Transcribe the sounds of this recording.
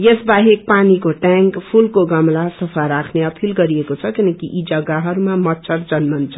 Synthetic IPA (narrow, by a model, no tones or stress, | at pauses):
jesbaɦek̚panikoʈaŋkpʰulkoɡʌmlasʌpʰaɾakʰneʌpʰilɡʌɾiekot͡sʰʌkinʌkiʔid͡zʌɡaɦʌɾumamʌtːsʰʌɾd͡zʌnmʌnt͡sʰʌ̥